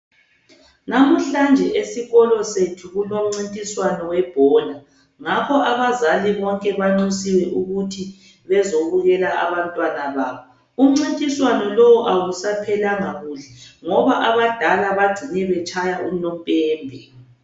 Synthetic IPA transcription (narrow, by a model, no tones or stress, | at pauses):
namuɬand͡ʒʱɛʔesiɣɔlɔsetʰuɣuloŋ͡ǀintʼiswanɔwɛb̥ʱɔːna | ŋapʰɔʔaβazaliβɔŋkʼɛβaŋ͡ǀisiwɛʔuɣutʰi | βɛzoβuɣɛlaʔaβantʼwanaβaːβɔ | um̩ŋ͡ǀintʼiswanɔlowɔʔawusapʰɛlaŋaɣuɬɛŋɔβaʔaβad̥ʱalaβaɡ͡ǀ̥ʱinɛβɛt͡ʃʰʼajaʔunɔmpʼɛːmbʱɛ